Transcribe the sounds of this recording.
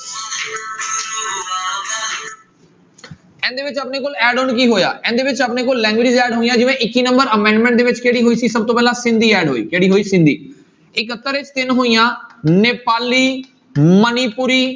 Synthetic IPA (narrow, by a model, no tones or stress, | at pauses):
ɛ̃ːn̆d̪eːʋɪt͡ɕɐpnekoːlɛːɖonk̬iɦoja̰ːʔɛ̃ːnd̪eːʋɪt͡ʃɐpnekoːllɛ̃ːŋɡʋɪd͡ʒɪzɛːɖɦoːijãːd͡ʒɪʋẽʔɪkiːnə̃mbəɾəmɛ̃ːɳɖmẽːɳʈd̪eːʋɪt͡ʃkeɦɽiːɦoːiːsisɐb̚t̪oːpɛːlasɪ̃nd̪ʱiːɛːɖɦoːḭːkeɦɽiɦoiːsɪ̃nd̪ʱḭː | ɪkət̪ːəɾet͡ʃt̪ɪnɦuĩjãːneːpaːliː | məniːpʊɾiː